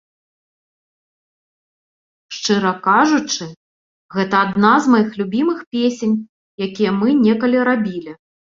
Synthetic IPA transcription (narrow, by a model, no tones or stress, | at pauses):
ʂt͡ʂɨɾɐkaʐut͡ʂɨ | ɣɛt̪ɐːd̪nazmajixlʲubʲimɨxpʲesʲenʲ | jakʲijɐmɨnʲɛkɐlʲiɾabʲilʲi